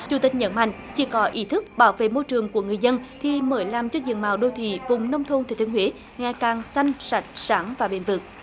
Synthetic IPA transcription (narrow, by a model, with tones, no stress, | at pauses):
t͡ɕu˨˩t̪ï˨˩k̚ɲə̰˨˦nma̰˧˨jŋ̟t͡ɕi˨˧˦kɔ˨˦ʔi˨˦t̪ʰɨ˦˥k̚ɓaː˧˦wvḛ˧˨mo˧jt͡ɕɨ˨˩əŋku˧˩əŋɨ˨˩əjzə˧nt̪ʰi˨˩məː˨˦jlaː˨˩mt͡ɕɔ˧zḭ˧˨əŋmaː˨˩wɗo˧t̪ʰḭ˧˨vʊ˨˩ŋ͡mnə˧wŋ͡mt̪ʰo˧nt̪ʰe˨˩t̪i˧ənwe˨˦ | ŋaː˨˩kaː˨˩ŋsa˧jŋ̟sa˨˩jk̟̚saː˨˦ŋvaː˨˩ɓḛ˧˩˦nvɨ˨˩k̚